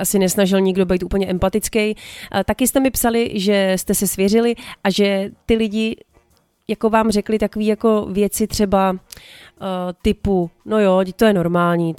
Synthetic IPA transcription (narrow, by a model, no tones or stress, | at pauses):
ʔasɪnɛsnaʒɪlɲɪɡdo̞bɛjt̪uːpl̩ɲɛʔɛmpat̪ɪt͡skɛjt̪akɪst̪ɛmɪpsalɪʒɛst̪ɛsɛsvjɛrɪlɪʔaʒɛt̪ɪlɪɟɪ | jako̞vaːmr̝ɛklɪt̪ako̞viːjako̞vjɛt͡sɪt̪r̝̥ɛba | t̪ɪpuno̞jot̪o̞jɛno̞ɾmaːlɲiː